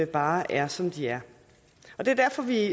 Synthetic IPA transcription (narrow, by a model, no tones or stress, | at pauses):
əb̥ɑ̈ːʔæɐsɒ̽md̥iæɐ | ɒ̽d̥e̝ɐd̥æɐfɒ̽ʋi